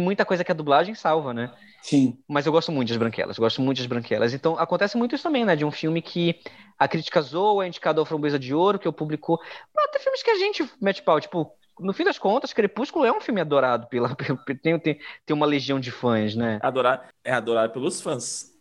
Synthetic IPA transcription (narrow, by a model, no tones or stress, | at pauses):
t̪ẽj̃mũj̃t̪ɐkojzɐkɪɐd̪ublaʒẽj̃sawvɐnɛ | sĩmɐzewɡɔst̪ʊmũt̪ʊd̪ɐzbɾɐ̃ŋkɛ̰lɐzewɡɔst̪ʊmũt̪ʊd̪ɐzbɾɐ̃kɛ̰lɐsẽnt̪ɐ̃w̃akõnt̪ɛsɪmũj̃t̪ʊisʊt̪ɐ̃mẽj̃nɛd͡ʒɪũfiwmɪkʰɪɐkɾit͡ʃi̥kɐzowɐĩd͡ʒi̥kad̪ʊɐfɾɐ̃bezɐd͡ʒɪoɾʊkɪʊpublikʊat̪ẽfiuwmɪskɪaʒẽnt͡ʃɪmɛt͡ʃɪ̥pawt͡ʃi̥pʊ | nʊfĩd̪ɐskõnt̪ɐskeɾepuʃkʊlʊɛũfiwmɪad̪oɾad̪ʊpelɐpelpet̪ẽj̃ʊt̪ẽt̪ẽj̃ũmɐleʒiɐ̃w̃d͡ʒɪfɐ̃z̬nɛɛad̪oɾad̪ɛad̪oɾad̪ʊpelʊsfɐ̃s